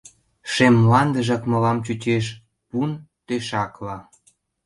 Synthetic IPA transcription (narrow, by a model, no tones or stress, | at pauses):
ʃemlɑnd̪əʒɑkmɤ̆lɑmt͡ɕut͡ɕeʃ | punt̪eʃɑklɑ